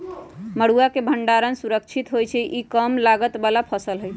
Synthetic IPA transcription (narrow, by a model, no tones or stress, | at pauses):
məɽuakebʱəɳɖaɾənsuɾək̚t͡ʃʰit̪ɦojt͡ʃʰɛʔikəmlaɡət̪balapʰəsəlɦoj